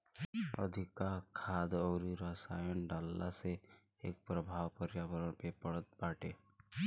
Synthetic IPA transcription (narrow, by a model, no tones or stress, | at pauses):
ə̰d̪ʱɪkakʰaːd̪ɔːɾiɾəsaːjənɖaːlːase | ḛːk̚pɾəbʱaːwpəɾjaːʋəɾəɽ̃pepəɽət̪̚baːʈe